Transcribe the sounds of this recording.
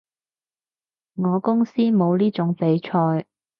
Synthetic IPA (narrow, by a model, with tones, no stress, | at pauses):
ŋɔː˨˧kʊ˥ŋsiː˥mo˨˧wliː˥t͡ʃʊ˨˥ŋpe˨˧˥jt͡ʃʰɔː˧j